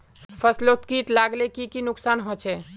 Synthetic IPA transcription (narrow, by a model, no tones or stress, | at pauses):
pʰəslot̪kiʈlaɡlekikinʊksanɦot͡ʃʰɛ